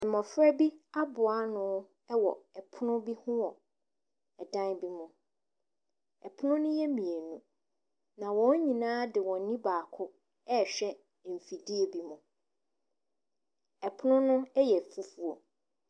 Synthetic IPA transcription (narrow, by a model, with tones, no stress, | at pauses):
m̩˨mɔ̃˨fɾɛ˦bi˦a˦bʊ˨a˦nʊ̃˦ | ɛ˦wɔ̰˨ɛ˨pʰʊ˦nʊ̃˦bi˦hʊ̃˦wɔ˨ | ɛ˨dã˦nbi˦mʊ̃˨ | ɛ˨pʰʊ˦nʊ̃˦nʊ̃˦jɛ˦mĩ˨e˨nũ˨ | nã˨wɔ̃˦ɲ˦ɲĩ˨nãː˦dɪ˨wɔ̃˨n˦nĩ˦baː˨kʰʊ˦ | ɛ˦˨ɕᶣɛ˦˨ | m̩˨fi˨di˦e˨bi˦mʊ̃˨ | ɛ˨pʰʊ˦nʊ̃˦nʊ̃˦ɛ˦jɛ˨fu˦fu˨ɔ˨